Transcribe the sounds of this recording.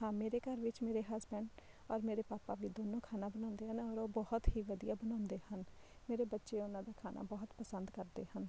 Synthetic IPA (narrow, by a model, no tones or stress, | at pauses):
ɦãːmeːɾeːkəɾʋɪt͡ʃmeːɾeːɦaːzbɛ̃ːɳɖ | ɔːɾmeːɾeːpaːpaːʋiːd̪oːnõːkʰaːnaːbənãːʊnd̪eːɦənɔːɾoːbɔhʊt̪ɦiːʋəd̪ijaːbənãːnd̪eːhənmeːɾeːbətːʃeːʊnãːd̪aːkʰaːnʔa̰ːbɔːt̪pəsənd̪kəɾd̪ḛːhən